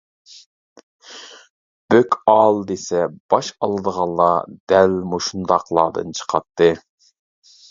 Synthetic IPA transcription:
b̥økʲɑlˠd̪esɛb̥ɑʃɑlˠɨd̪əʁɑnlˠːɑd̪̥ælmuʃund̪ɑqlˠɑ̰ːd̪ɨ̰nt͡ʃʰə̥qʰɑt̪ʰːɨ

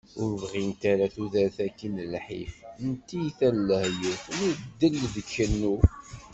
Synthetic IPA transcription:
ʊɾvʁint̪aɾaθuðæɾθækːinlħḭfnt̪ːijθælːəhjəθnud̪ːəlːðəkːənːu

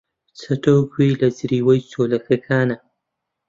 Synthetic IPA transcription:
t͡sʰɐt̪oːkwiːlɐzɾiːwɐjt͡soːlɐxʰɐkʰaːnɐ

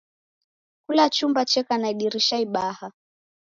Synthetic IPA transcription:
kulat͡ʃumbat͡ʃɛkanaiɗiɾiʃaiɓaha

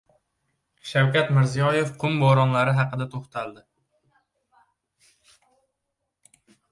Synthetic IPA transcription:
ʃawkʲat̪mɪɾzijɒje̞fqʰʊmbɒɾɒnlaɾɪɦɑqɨd̪at̪ʰoχt̪ʰald̪ɪ

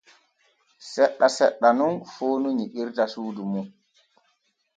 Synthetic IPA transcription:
sɛɗːasɛɗːanunfoːnuɲiɓiɾtasuːdumu

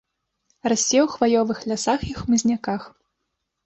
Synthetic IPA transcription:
rasʲːɛwxvajɔvɨxlʲasaxixmɨzʲnʲakax

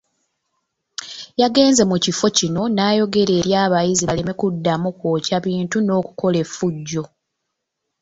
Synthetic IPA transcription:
jaɡe̞ːnze̞mucifo̞cino̞naːjo̞ɡe̞ɾe̞ːɾjaːβajiziβale̞me̞kudːamukwoːcaβiːntuno̞ːkuko̞le̞fːuɟːo̞

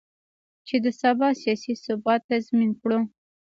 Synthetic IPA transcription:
t͡ʃed̪əsabɑsijɑsisʊbɑt̪ːazminkɽo

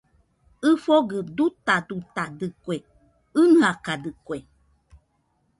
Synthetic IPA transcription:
ɨfoɡədut̪adut̪adɨkʷe | ɨnɨakadɨkwe

